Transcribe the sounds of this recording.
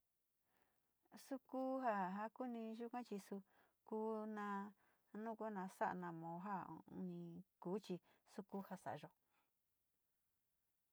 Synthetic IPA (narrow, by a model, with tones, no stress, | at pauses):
su˦ku˦ɦa˧ɦa˧ku˦nĩ˧ʒu˦kʷã˦t͡ʃi˧su˧ | ku˦nã˧ | nũ˦kʷa˦nã˧sa˦ʔa̰˧nã˧mõ˨˦ɦa˦ṵ˧nĩ˧kuː˨˦t͡ʃi˧su˧ku˦ha˧sa̰˨ʔa˧ʒo˧